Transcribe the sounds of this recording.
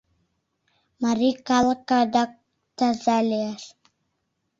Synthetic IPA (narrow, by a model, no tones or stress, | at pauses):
maɾikalˠkad̪ak̚ | t̪azalʲias